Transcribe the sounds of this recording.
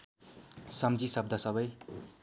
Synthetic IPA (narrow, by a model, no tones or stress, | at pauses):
sʌmd͡zisʌb̚d̪ʱasʌbʌj